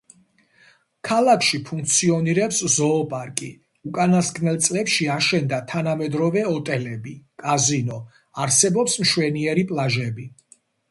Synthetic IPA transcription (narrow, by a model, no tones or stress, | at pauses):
kʰalakʰʃipʰuŋkʰt̪sʰiɔniɾɛpszɔːpʼaɾkʼi | ukʼanasɡʼnɛlˠt̪sʼlɛpʃiaʃɛnd̪at̪ʰanamɛd̪ɾɔvɛɔt̪ʼɛlɛbikʼazinɔ | aɾsɛbɔpsmʃwɛniɛɾipʼlˠaʒɛbi